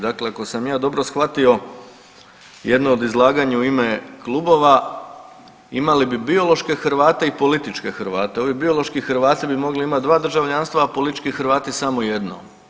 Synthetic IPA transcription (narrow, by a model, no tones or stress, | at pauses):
d̪akleako̞samjaːd̪o̞bɾosxʋat̪io̞ | jed̪noːd̪izlˠaːɡaɲauimeklˠuːbo̞ʋa | imalibibio̞lˠo̞ʃke̞xɾʋaːt̪eipolit̪it͡ʃke̞xɾʋaːt̪e̞o̞ʋibio̞lˠo̞ʃkixɾʋaːt̪t̪ibimo̞ɡliimat̪̚d̪ʋaːd̪r̩ʒaʋʎanst̪ʋapo̞lit̪it͡ʃkixɾʋaːt̪isamoje̞d̪no̰